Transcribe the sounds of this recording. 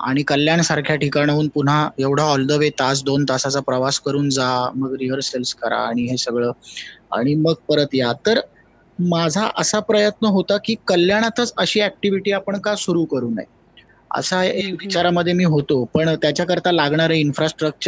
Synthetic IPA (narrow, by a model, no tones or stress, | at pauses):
a̰ɽ̃ikəljaɳsaɾkʰjaʈʰikaɽ̃auːnpun̤aeʋɽ̤aɔld̪əʋet̪ad͡zd̪ont̪asat͡sapɾəʋaskəɾuːnd͡zaməɡɾiʋəɾselskəɾa̰ːɽ̃iɦesəɡɭəːa̰ɽ̃iməɡ̚pəɾət̪jat̪əɾ | mad͡zʱa̰ʔəsapɾəjət̪nəɦot̪akiːkəljaɽ̃at̪ʰət͡səɕiːæk̚ʈiʋiʈiːapəɳkasuɾuːkəɾuːna̰j | ə̰saeʋit͡ɕaɾaməd̪ʱːjemiːɦot̪opəɳt̪jat͡ɕjakəɾt̪alaɡɳaɾəinfɾasʈɾək̚t͡ɕə